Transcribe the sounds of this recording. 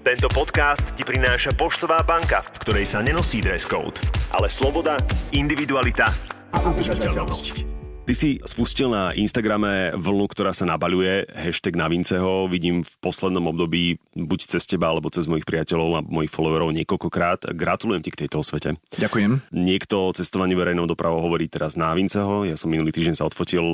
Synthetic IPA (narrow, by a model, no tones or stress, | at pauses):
t̪ɛnt̪ɔpɔt̪kaːst̪cipɾinaːʃapɔʃt̪ɔʋaːbaŋkafkt̪ɔɾɛjsaɲɛnɔsiːd̪ɾɛskɔ̰ʊt̪ʔa̰lɛslɔbɔd̪aind̪iʋid̪ualit̪a | aʔut̪ʒaɛɛlnɔsct̪isispuscilˠnaʔinst̪aɡɾamɛʋl̩ˠnukt̪ɔɾaːsanabaʎujɛɦɛʃt̪ɛɡnaʋint͡sɛɦɔʋiɟiːmfpɔslɛd̪nɔmɔb̚d̪ɔbiːbuct͡sɛscɛbaalɛbɔt͡sɛzmɔjixpɾiacɛʎɔʊamɔjixfɔlɔʋaɾɔʊɲɪɛkɔlkɔkɾaːt̪ɡɾat̪ulujɛmcikt̪ɛjt̪ɔɔsʋɛcɛɟakujɛmɲɪɛkt̪ɔt͡sɛst̪ɔʋaɲɪuʋɛɾɛjnɛːd̪ɔpɾʔaʋɔʊɦɔʋɔɾiːt̪ɛɾaznaʋint͡sɛɦɔjasɔmːinuliːt̪iːɟɛnsaɔt̪fɔcil